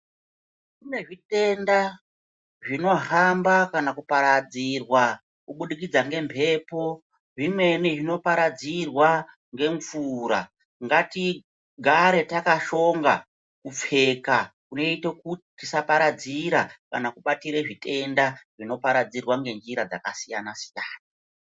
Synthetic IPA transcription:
kune̞ʐite̞nda | ʐino̞ɦambakanakupaɾad͡zirwa | kuɓuɗik̬id͡zaŋɡe̞mpʰe̞po̞ | ʐimwe̞niʐino̞paɾad͡zirwa | ŋɡe̞ɱfuːɾa̰ | ŋɡati | ɡʱaɾe̞takaʃo̞ŋɡa | kup͡fe̞kakuno̞itekutitisapaɾad͡ziɾaka̰nakuɓatiɾeʐite̞ndaʐino̞paɾad͡zirwaŋɡe̞nd͡ʒiɾad͡za̰kasijanasi̥jaːna

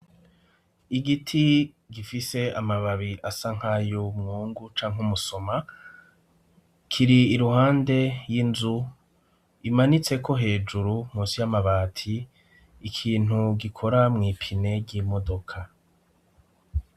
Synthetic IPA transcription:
iɡitʰi | ɡifise̞amaβaβiʔasaŋ̥hajumŋuːŋɡut͡ʃaːŋɦumuso̞ma | kʰiɾiːɾuhaːnde̞jinzu | imanit͡se̞kʰo̞ɦe̞ːd͡ʒuɾum̥uːnsijamaβaːtʰiː | kʰiːn̥uɡikʰo̞ɾamŋiːpʰine̞ɟɟiːmo̞do̞kʰa

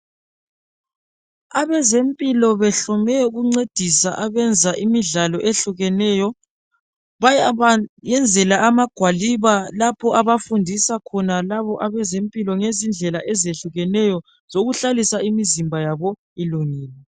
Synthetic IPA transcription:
aβɛzempʼilɔβɛɬɔmɛuɣuŋ͡ǀed̥ʱisa̰ʔaβɛnd͡zʱaʔimiɮalɔʔeɬuɣɛnɛːjɔ | βajajɛnd͡zʱɛlaamaɡ̥ʱwaliβalapʰɔʔaβafundʱisakʰɔnalaβɔʔaβɛzempʼilɔŋezind͡ɮʱɛlaʔɛzeɬuɣɛnɛjɔ | z̥oɣuɬalisaimizimbʱajaβɔ | iluŋiːlɛ

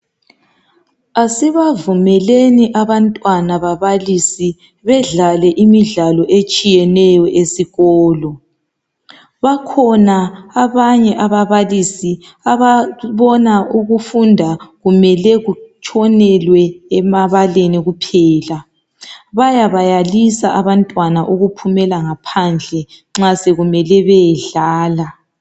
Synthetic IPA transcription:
asiβavumɛleniʔaβantʼwanaβaβalisi | βɛɮalɛʔimiɮalɔʔet͡ʃʼijɛnɛjɔʔesiɣɔːlɔ | βakʰɔnaaβaɲɛʔaβaβalisi | aβaβɔnauɣufundʱaɣumɛlɛɣut͡ʃʰʼɔnɛlwɛːmaβaleniɣupʰɛːla | βajaβajalisaʔaβantʼwanaʔuɣupʰumɛlaŋapʰand͡ɮʱɛŋ͡ǁaseɣumɛlɛβɛjɛɮaːla

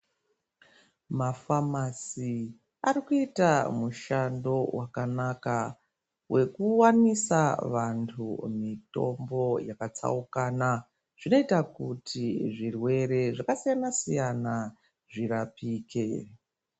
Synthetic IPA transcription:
mafamasi | aɾikuitamuʃando̞wʔakanaka | wʔe̞kuwanisaʋantʰumito̞̰mbo̞jakat͡sa̰ukaːna | ʐ̥ino̞itakutʰiʐirwe̞ɾe̞ʐakasijanasijana | ʐiɾapiːke̞

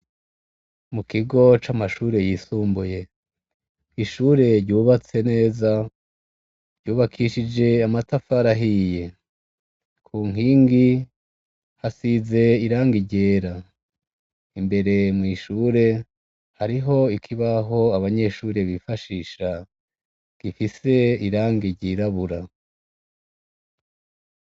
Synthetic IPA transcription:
mukiɡo̞t͡ʃamaʃuːɾe̞jisuːmbuje̞ | iʃuːɾe̞ɾɟuːβat͡se̞ne̞ːza | ɟuːβakʰiʃid͡ʒe̞amatafaɾaɦije̞ | kʰuːŋiːŋɡi | hasize̞iɾaːŋɡiɟe̞ːɾa | imbe̞ɾe̞mŋiːʃuːɾe̞ | haɾiɦo̞ikʰiβaɦo̞aβaɲe̞ʃuːɾe̞βifaʃiːʃa | ɡ̥ifise̞iɾaːŋɡiɟiɾaβuɾa

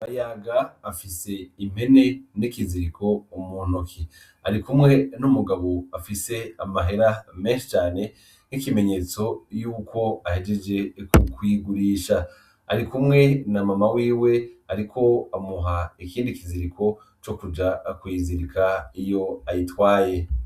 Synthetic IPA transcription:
ajaɡaːfise̞im̥he̞ne̞nikiziɾiko̞umuːn̥okʰi | a̰ɾikumŋe̞numuɡaβoafise̞amaɦe̞ɾame̞ːnʃi̥t͡ʃaːne̞ | nikime̞ɲe̞ːt͡so̞juːko̞ahe̞d͡ʒe̞d͡ʒe̞kukwiɡuɾiːʃa | a̰ɾikumŋe̞namamawiːwe̞aɾikʰo̞amuɦaikiːndikiziɾikʰo̞ | t͡ʃo̞kud͡ʒakwiːziɾikʰaijo̞ajitwaːje̞

